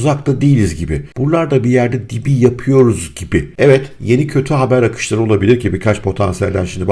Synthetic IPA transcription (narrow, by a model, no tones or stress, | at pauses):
zakt̪ad̪ejilʲizɟibɪb̥unlˠaɾd̪abijæɾd̪ɛd̪ibijapʰɯjo̞ɾuzɟibɪɛvɛt̪je̞nicʰø̞t̪ʰyɦabæɾakʰɯ̥ʃlˠaɾɯo̞lˠabilʲiɾcʰibiɾkʰat͡ʃpʰo̞t̪ʰansijælʲd̪ʲæ̰nʃimd̪i